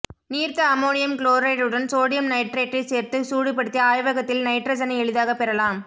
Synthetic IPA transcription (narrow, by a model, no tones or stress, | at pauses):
niːɾt̪ɐɐmoːnɪjɐmkloːɾɐɪɾɯɽɐnsoːɽɪjɐmnɐɪʈɾeːʈrɐɪseːɾt̪ɯsuːɽɪp̬ːɐɽɯt̪ːɪjɐaːjʋɐɣɐt̪ːɪlnɐɪʈrɐd͡ʒɐnɐɛɭɯðaːɣɐpːɛɾɐlaːm